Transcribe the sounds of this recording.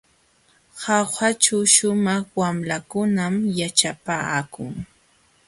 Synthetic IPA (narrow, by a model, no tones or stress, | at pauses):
hɑxat͡ʃaʃʊmɑχwamlakʊnamjat͡ʃapakʊŋ